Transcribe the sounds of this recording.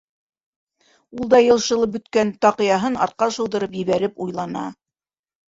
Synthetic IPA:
ulˠd̪ɑjɤ̆lˠʃɤ̆lˠɤp̚bɵ̆t̪kænt̪ɑqɤ̆jɑɦɤnɑ̰ɾt̪̚qɑʃɤ̆w̪d̪ɤ̆ɾɤpjɘ̆βæɾɘpujlˠɑnɑ̰

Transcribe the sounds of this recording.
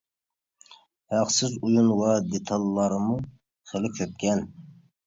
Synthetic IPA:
hæqsɪzujunwɑd̪et̪ʰɑlˠːɑɾɨmu | χelɪkʲʰøp̚kʲʰɛn

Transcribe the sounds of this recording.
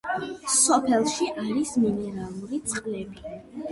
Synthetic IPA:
sɔpʰɛlˠʃiʔaɾisminɛɾalˠuɾit̪sʰʼqʼlɛbi

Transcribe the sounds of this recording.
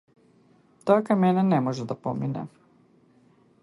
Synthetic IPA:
t̪akamɛnɛnɛmɔʒɛd̪apɔ̰minɛ̰

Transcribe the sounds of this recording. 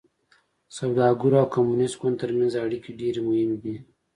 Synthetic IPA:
sawd̪ɑɡuɾaːwkamunɪsʈɡʊnt̪əɾmanzaːɽikiɖeɾemʊhɪmd̪i

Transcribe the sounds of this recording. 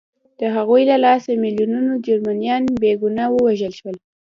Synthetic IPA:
d̪̥əɦaɣujlalɑsamɪljununod͡ʒaɾmanijɑnbeɡunɑwəwaʒəlʃwəl

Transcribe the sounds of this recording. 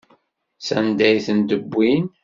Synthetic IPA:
sænd̪æjθənd̪əbːin

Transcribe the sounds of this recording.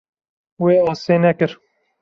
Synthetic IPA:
weːɑːseːnɛkɨɾ

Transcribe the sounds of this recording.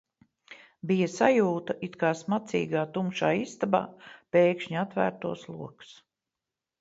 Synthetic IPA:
bijasajuːt̪ɐʔit̪kaːsmat̪sḭːɡaːt̪umʃaːist̪aba̰ːpeːkʃɲat̪væ̰ːɾt̪uɔslˠṵɔks

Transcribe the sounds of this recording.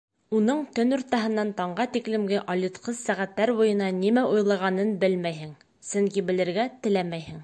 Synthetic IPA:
unɤɴt̪ɵnŏɾt̪ɑɦɤ̆nːɑnt̪ɒɴɢɑt̪iklɘ̆mɡɘʔolʲit̪qɤzsæʁæt̪ːæɾbujɤ̆nɑnimæujlˠɑʁɑnɤnbɘlmæjɦɘŋ | sɵŋkibɘ̆lɘ̆ɾɡæt̪ɘ̆læmæjhɘ̆ŋ

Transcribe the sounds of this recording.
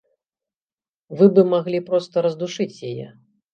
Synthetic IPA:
vɨbɨmaɣlʲipɾɔst̪ɐɾɐzd̪uʂɨt͡sʲjajɛ̰

